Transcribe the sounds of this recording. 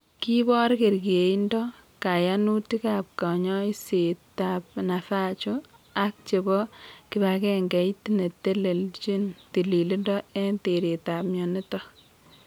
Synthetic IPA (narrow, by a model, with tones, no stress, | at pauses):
ki˦bɔ˦ɾke˨ɾkie˨i˦ndɔ˦ | ka˨ja˦nu˦ti˦ka˨p̚ka˨ɲɔ˦i˦se˨ta˨pna˨fa˦t͡ʃu˦ | a˦k̚t͡ʃe˨bɔ˦kɪ˨ba˨kɛ˦ŋɡɛ˨itine˨te˦le˨lt͡ʃi˦nti˨li˨li˦ndɔ˦ɛ˦nte˨ɾe˨ta˨p̚mjɔ˨ni˦tɔ˦